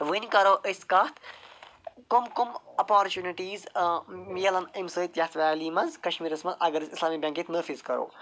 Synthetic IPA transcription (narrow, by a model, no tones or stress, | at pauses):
ʋɨnʲkɐɾoːʔɨskɐt̪ʰ | kʊmkʊmɐpaːɾt͡ʃuːniʈiːzmiɐlɐnimsɨit̪jɐt̪ʰʋaːliːmɐzkɐʃmiːɾɐsmɐzɐɡɐɾsislaːmikbʲɐ̃ŋkit̪nɐɾfizkɐɾo̰ː